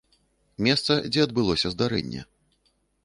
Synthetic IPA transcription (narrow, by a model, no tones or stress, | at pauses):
mʲɛst̪sɐd͡zʲɛɐd̪bɨlˠɔsʲɐzd̪aɾɛ̰nʲːɛ̰